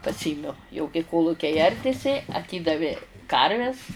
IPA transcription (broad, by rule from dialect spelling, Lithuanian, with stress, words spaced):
pɐˈsʲiːmʲɛʊ jɛʊ kɐɪ ˈkoːlˠʊkʲɛɪ ˈɐrʲdʲɪsʲɪ ɐˈtʲiːdɐʋʲɪ ˈkɐrʲʋʲɛs